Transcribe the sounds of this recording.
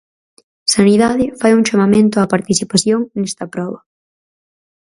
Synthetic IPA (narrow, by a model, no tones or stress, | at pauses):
saniðaðɪfajuŋʃamamẽnt̪ʊapaɾt̪iθipaθjoŋnɛst̪ɐpɾɔβɐ